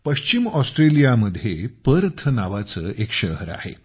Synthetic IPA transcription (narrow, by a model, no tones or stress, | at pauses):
pəɕt͡ɕimɔsʈɾelijaməd̪ʱjepəɾt̪ʰənaʋat͡səːʔekʂəɦəɾa̰hḛ